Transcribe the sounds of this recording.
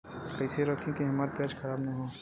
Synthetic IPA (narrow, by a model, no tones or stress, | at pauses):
kɐɪseɾɔːkʰẽkeɦɐmaːɾpjaːd͡ʒkʰɐɾaːbnɐɦoː